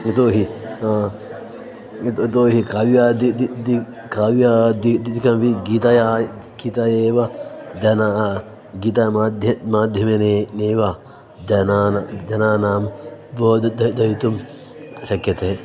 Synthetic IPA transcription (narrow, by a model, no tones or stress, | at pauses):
it̪oːɦi | t̪t̪oːɦikaʋjad̪id̪id̪i | kaʋjad̪id̪d̪ikɐmʋiɡit̪ɐja | kit̪ɐjeːʋad͡ʒɐna | ɡit̪ɐad̪ʱjɐmaːd̪ʱjɐmeneneːʋa | d͡ʒɐnaːnd͡ʒɐnaːnaːmboːd̪d̪ɐd̪ɐjit̪um | ʃɐkjɐt̪ɐe